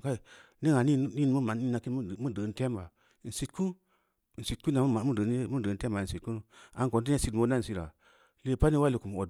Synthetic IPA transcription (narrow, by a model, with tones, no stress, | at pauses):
ka˦i˨ | ni˦ŋa˨ni˦ni˦n˦mu˦ma˨n˦i˦na˨ki˦n˦˨mu˦də˨˦n˦te˦mba˨ | n̩˨si˨t̚ku˦n˨ | n̩˨si˨t̚ku˦na˨˦ma˨mu˦də˨˦mu˦də˨˦n̩˦te˦mba˨n̩˨si˨t̚ku˦n˦a˨ŋko˨nt̬i˦a˦si˧dmo˧˦na˦n̩˨si˧ɾa̰˨ | le˦pa˦ni˦wa˦li˨ku˨m˨o˨